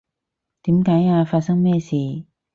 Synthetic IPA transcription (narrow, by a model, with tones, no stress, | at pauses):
t̪iː˨˥mkaː˨˥jaː˧faː˧t̚sɐ˥ŋmɛː˥˩siː˨˩